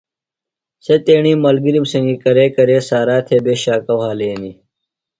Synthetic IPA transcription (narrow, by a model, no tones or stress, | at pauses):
set̪eːɳiːmɐlɡiɾimsɐŋɡikɐɾeːkɐɾeːsaːɾaːt̪ʰebeːɕaːkɐwhaːleːni